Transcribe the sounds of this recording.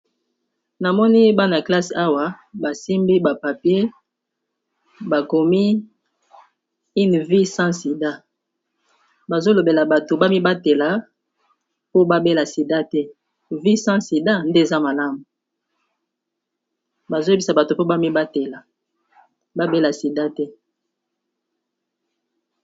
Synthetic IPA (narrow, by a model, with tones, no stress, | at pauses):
na˨mɔ˦ni˦ba˦na˨kla˦sa˦wa˦ba˨si˦mbi˦ba˨pa˨pje˦ | ba˨ko˨mi˦ | i˦nvi˦sã˦si˨da˦ | ba˨zo˦lo˨be˨la˨ba˨to˨ba˦mi˦ba˦te˨la˨˦ | po˦ba˦be˦la˨si˨da˦tɛ˦ | vi˦sɑ̃˦si˨da˦nde˦e˨za˦ma˨la˦mu˨ | ba˨zo˦e˦bi˨sa˨ba˨to˨po˦ba˦mi˦ba˦te˨la˨ | ba˦be˦la˨si˨da˦tɛ˦